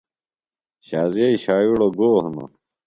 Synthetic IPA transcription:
ɕaːzeiɕaːjuɽoɡoːhno̰

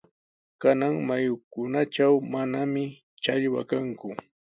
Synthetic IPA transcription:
kanaŋmajʊkʊnaʈ͡ʂawmanamɪ | t͡ʃaʎwa̰kaŋkʊ

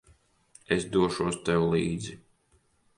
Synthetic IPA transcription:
esd̪uɔʃuɔst̪ɛwlˠiːd̪zi

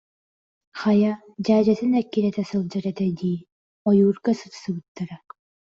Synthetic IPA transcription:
χaja | d͡ʑaːd͡ʑat̪ɯnɛkːiɾɛt̪ɛsɯlˠd͡ʑaɾɛt̪ɛd̪iː | ɔjuːɾkasɯt̪sɯɡɯt̪ːaɾa

